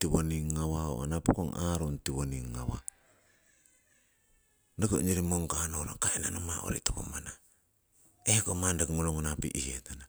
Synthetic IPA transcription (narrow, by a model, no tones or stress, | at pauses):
tiβoniŋːawao̰a̰napukoŋaɾontiβoniŋːa̰wa̰ | nakoɲeɾimoŋkanoɾakaina̰nomao̰ɾḭtokomana | ehkomandakŋoloŋonapḭʔihietana